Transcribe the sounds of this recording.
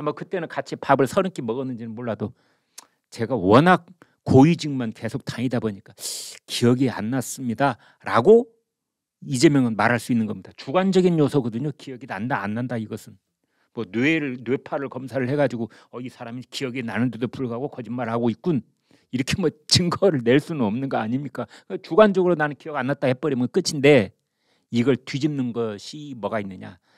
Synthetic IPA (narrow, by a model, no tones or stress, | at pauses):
amʌkɯt͈enɯnkat͡ɕʰipabɯɭsʰʌɾɯk͈imʌɡʌnɯnd͡ʑinɯnmoɭːado | t͡ɕe̞ɡawʌnak̚ | k͈ːoid͡ʑiŋmanke̞sʰok̚taɲidaboɲik͈akijʌɡia̰nːas͈ɯmɲida | ɾa̰ɡo | id͡ʑe̞mjʌŋɯnmaɾɦaɭs͈uinːɯnɡʌmɲid̥at͡ɕuɡand͡ʑʌɡinjosʰʌɡʌdɯɲokijʌɡidandaa̰nːandaiɡʌsʰɯn | mʌneeɾɯɭnwepʰaɾɯɭkʌmsʰaɾɯɭhe̞ɡad͡ʑiɡo | ʌisʰaɾamikijʌɡinanɯndedopuɭɡaɡokʌd͡ʑinmaɾhaɡoik̚k͈un | iɾʌkʰemʌt͡ɕɯŋɡʌɾɯɭne̞ɭs͈unɯnʌmnɯnɡʌaɲimɲik͈akɯɡat͡ɕuɡand͡ʑʌɡɯɾonanɯnkijʌɡanːat̚t͈ahep͈ʌɾimɯɡk͈ɯt͡ɕʰinde̞ | iɡʌɭtɥid͡ʑimnɯnɡʌɕʰimʌɡainːɯɲa̰